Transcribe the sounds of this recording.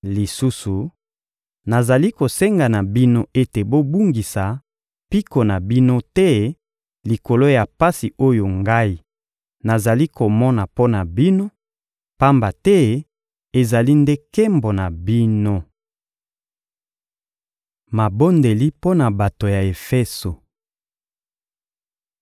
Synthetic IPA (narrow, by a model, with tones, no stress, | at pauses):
li˨su˦su˨ | na˨za˨li˦ko˨se˦ŋɡa˨na˨bi˦no˦e˦te˨bo˦bu˦ŋɡi˨sa˨ | pi˦ko˨na˨bi˦no˦tɛ˦ | li˨ko˨lo˦ja˨pa˦si˨o˦jo˨ŋɡa˦i˦ | na˨za˨li˦ko˨mɔ˦na˨po˦na˨bi˦no˦ | pa˦mba˨tɛ˦ | e˨za˨li˦nde˦kɛ˦mbo˨na˨bi˦no˦ | ma˨bo˦nde˨li˦po˦na˨ba˨to˨ja˨e˨fɛ˦so˨